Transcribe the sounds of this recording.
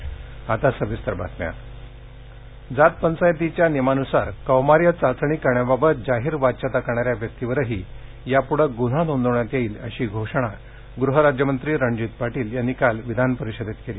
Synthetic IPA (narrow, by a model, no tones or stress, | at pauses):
at̪asəʋist̪əɾba̰t̪nja̰ | d͡zat̪̚pənsajt̪it͡ɕjanemanusaɾkəwmaɾjət͡sat͡sɳ̃ikəɳjababət̪̚d͡ʑaɦiːɾʋat̪̚t͡ɕat̪akaɳ̃aɾjaʋjək̚t̪iʋəɾəɦiː | japuɽəɡun̤anond̪əɳjat̪jeiːlə̰ɕiːɡʱoʂəɽ̃a | ɡɾuɦəɾad͡ʑjəmənt̪ɾiːɾəɳd͡ʑit̪̚paʈiːljanːikalʋid̪ʱanpəɾiɕəd̪ʱet̪keliː